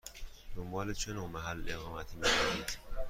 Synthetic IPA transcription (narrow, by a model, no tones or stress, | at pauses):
d̪̥o̞mbɒːlet͡ʃʰe̞noːmæɦælːʔe̞ɣɒːmæt̪ʰiːmiːkʰoniːd̪̥